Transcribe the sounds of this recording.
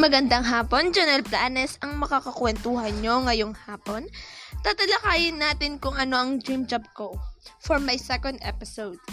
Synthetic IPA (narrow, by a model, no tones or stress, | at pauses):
mɐɡɐnd̪ɐŋɦaːpo̞nd͡ʒɛnɛlplaːnɛsɐŋmɐkakɐkwɛnt̪uhɐnɲo̞ŋɐjo̞ŋhaːpo̞nt̪ɐt̪ɐlɐkaːjɪnːaːt̪ɪnkʊŋɐno̞ʔɐŋd̪ɾimd͡ʒɐb̚kofoɹmɐjsɛkond̪ʔɛ̰pɪsowd̪̥̚